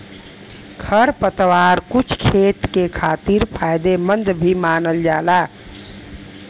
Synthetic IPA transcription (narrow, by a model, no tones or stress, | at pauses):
kʰəɾpət̪waːɾkut͡ʃʰkʰeːt̪kekʰaːt̪iɾpʰaːjd̪emənd̪bʱimaːnəld͡ʒaːla